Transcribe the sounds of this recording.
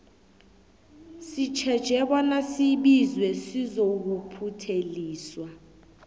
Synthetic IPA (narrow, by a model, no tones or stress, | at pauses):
sit͡ʃʰɛd̥ʒ̥ʱɛɓɔnasiɓizwɛsizok̬upʰutʰeliːswa